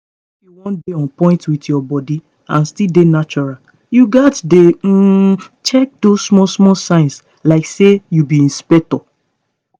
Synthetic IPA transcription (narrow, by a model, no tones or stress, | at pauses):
ifjuwɔ̃ndeɔ̃npɔ̃ɪ̃ntwitjɔbɔdi | ãnstildenat͡ʃɔɹa | juɡatdet͡ʃɛk̚dossmɔsmɔsãɪ̃ns | laɪksejubiĩnspɛtɔ